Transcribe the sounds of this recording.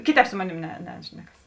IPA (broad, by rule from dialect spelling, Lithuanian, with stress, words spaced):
ˈkʲɪˌtʲɛːp ˈsʊ moːˌnʲeːm nʲɛ ˈnʲæːʃʲnʲɛkɐs